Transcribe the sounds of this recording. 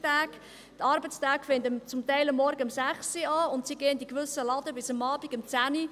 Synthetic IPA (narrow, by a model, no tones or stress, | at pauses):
tæːɡ̥ | t̪ɑɾbət͡stæːɡ̥fɪntəmt͡sʊmtɛɪləmːɔɾɡəəmsæχsiɑːʊntsiɡeːənd̪ikʋʏsəlɑd̥əbɪsəmɑːbiɡ̥əmt͡sæːni